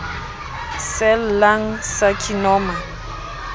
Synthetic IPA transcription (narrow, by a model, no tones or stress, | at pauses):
sɛllaŋ̩sakʰinɔma